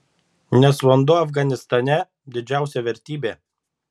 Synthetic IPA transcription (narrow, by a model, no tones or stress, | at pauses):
nʲɛsʋɐnd̪ʊɐfɡɐnʲɪst̪ɐnʲɛ | d̪ʲɪd͡ʒʲæˑʊsʲɛʋʲɛɾʲt̪ʲiːbʲeː